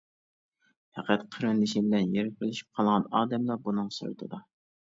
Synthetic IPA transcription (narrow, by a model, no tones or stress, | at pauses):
hɛqæt̪qʰəɾɨnd̪ɨʃibɪlɛnjeɾɪpʲɨlˠɪʃi̥p̚qʰɑlˠʁɑnɑːd̪ɛmlˠɑbunɨŋso̰ɾt̪ʰɨd̪ɑ